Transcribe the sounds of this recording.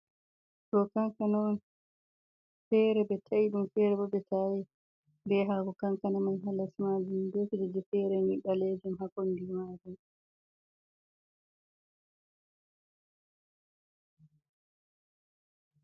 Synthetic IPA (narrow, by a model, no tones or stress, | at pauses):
ɗɔkaŋkanan | fɛɾɛbɛtʰaiɗumfɛɾɛbɔbɛtʰaji | bɛɦaɡɔkaŋkanamanɦalasmad͡ʒumdoːkid͡ʒɛd͡ʒɛfɛɾɛniɓaled͡ʒumhakɔndimad͡ʒum